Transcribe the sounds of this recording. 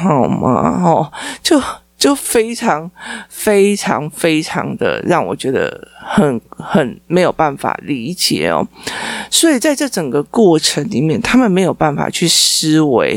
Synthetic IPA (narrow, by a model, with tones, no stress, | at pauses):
xa˨˩ʊma̰˨˩ɔ˧t͡ɕjo˥˩ʊ | t͡ɕjo˥˩ʊfe˥ɪʈ͡ʂʰɑ˧˥ŋfe˥ɪʈ͡ʂʰɑ̰˧˥ŋfe˥ɪʈ͡ʂʰɑ̰˧˥ŋd̪ə̰˧˨ɻɑ˥˩ŋwɔ̰˨˩t͡ɕɥɛ˧˥d̪ə̰˧xə˨˦nxə˨˩nme˧˥ɪjo˨˩ʊpa˥˩nfa̰˨˩li˧˥t͡ɕjɛ̰˨˩ɔ̰˨˦swɔ˧˥i˨˩t͡sa˥˧ɪʈ͡ʂɤ˥˩ʈ͡ʂə˨˩ŋɡə˦kwɔ˥˩ʈ͡ʂʰə˧˦ŋli˨˩mjɛ˥˨nt̪ʰa˥mə˨nme˧˥ɪjo˨˩ʊpa˥˩nfa̰˨˩t͡ɕʰy˥˩ʂ̩˥we˧˦ɪ